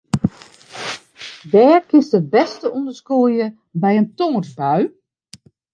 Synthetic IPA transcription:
dɛːrkɪstdəbɛstəʔundəskuəjə | bɛjəntoːrsbœɥ

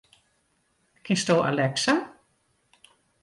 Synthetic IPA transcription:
kɪnstoːʔa̰lɛksa

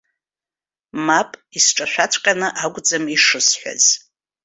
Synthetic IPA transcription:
mapʼisʈ͡ʂʼaʃʷᶣat͡sʷʰʼqʲʼanɨʔaɡʷʼd͡zamiʂɨsħʷᶣa̰z̥

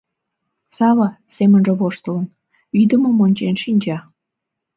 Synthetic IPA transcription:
sɑβɑsemənʒĕβoʃt̪ələ̆n | yd̪əmomonʲt͡ɕenʃinʲd͡ʑɑ

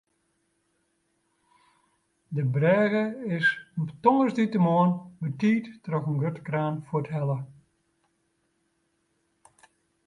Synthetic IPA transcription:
dəbrɛːɣəɪsmtɔŋəsditəmoːənbətiːtːroxənɡøtkraːnfuətɦɛlə

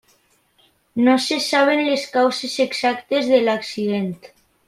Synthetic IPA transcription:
nosesaβ̞enleskawseseksak̚t̪ezðelaksið̞ent̪

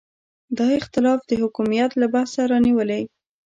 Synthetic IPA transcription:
d̪ɑɪxt̪ɪlɑfd̪əhʊkumijat̪labahsaɾɑniwəlej

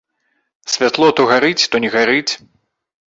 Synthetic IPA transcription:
sʲvʲat̪lˠɔt̪ɔɣaɾɨt͡sʲt̪ɔnʲɛɣaɾɨt͡sʲ

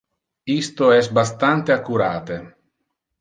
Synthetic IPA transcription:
ist̪oɛsbast̪ant̪eakːuɾaːt̪e

